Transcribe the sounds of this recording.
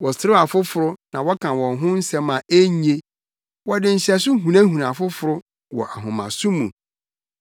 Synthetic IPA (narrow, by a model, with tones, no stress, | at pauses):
wɔ˨sɪ˨ɾɪ˦a˨fʊ˦fʊ˨ɾʊ˦nã˨wɔ˦kʰã˨wɔ̃˨ŋɦʊ̃˦n̩˦sɛ̃˦mã˨ʔe˦ɲ˦e˦ | wɔ˨dɪ˨n̩˨ɕɛ˨sʊ˦ɦũ˨nã˦ɦũ˨nã˨fʊ˦fʊ˨ɾʊ˦ | wɔ˨ʔa˨ɦʊ̃˨mã̰˨sʊ̃˦mũ˨